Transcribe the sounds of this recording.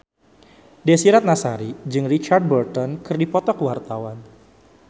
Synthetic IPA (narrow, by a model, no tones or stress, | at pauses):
dɛsiɾat̪̚nasaɾid͡ʒɨŋrit͡ʃard̚bərt̪ɔnkɨrdipɔt̪ɔkəwart̪awan